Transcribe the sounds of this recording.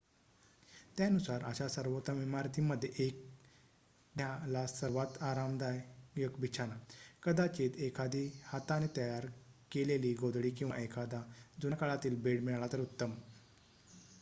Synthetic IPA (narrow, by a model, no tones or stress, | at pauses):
t̪janusaɾəɕasəɾʋot̪aʋimaɾt̪ʰiməd̪ʱːjeʔek̚ | d̪jalasəɾʋat̪aɾamd̪ajjəkbʱit͡ɕʰanakəd̪at͡ɕet̪ekʰad̪ihat̪anet̪əjaɾkeleliːɡod̪ɽiːkĩw̃ʋa̰ʔekʰad̪ad͡zunakəɭat̪iːlbeɽmiɭɭat̪əɾut̪ːəm